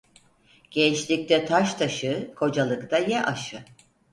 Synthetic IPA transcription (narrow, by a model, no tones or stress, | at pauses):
ɟ̥ɛnt͡ʃlʲik̚ʲt̪ʰɛt̪ʰaʃt̪ʰaʃɯkʰo̞d͡ʒalˠɯkt̪ʰajɛʔaʃɯ